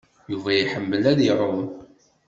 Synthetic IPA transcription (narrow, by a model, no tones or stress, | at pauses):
juvæjiħəmːəlæðiɾˤʊn